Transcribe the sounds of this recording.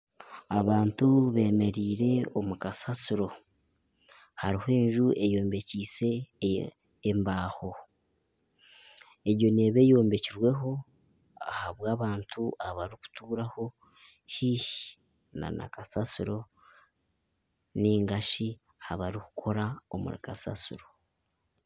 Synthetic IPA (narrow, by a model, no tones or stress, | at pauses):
aβaːntuβe̞ːme̞ɾiːɾe̞o̞mukasasuɾo̞ | haɾihoe̞ːnʒue̞jo̞ːmbe̞ciːse̞ | mbaːho̞ | eɾjo̞ne̞βe̞jo̞ːmbe̞ciɾwe̞ɦo̞ | ahaβwaːβaːntʰuaβaɾiku̥tuːɾaho̞ | hihi | na̰na̰kasasuɾo̞ | niːŋɡaʃi | haβaɾiku̥kʰo̞ɾao̰mṵɾḭkasa̰sṵɾo̞